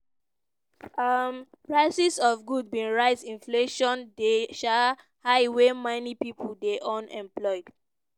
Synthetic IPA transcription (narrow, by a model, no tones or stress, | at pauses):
ʌm | pɹaɪsisɔfɡud̚bĩnɹaɪsĩnfleʃɔ̃ndeʃa | haɪwemãnipipʰuldeʔɔ̃nʔɛ̰̃mplɔɪd̥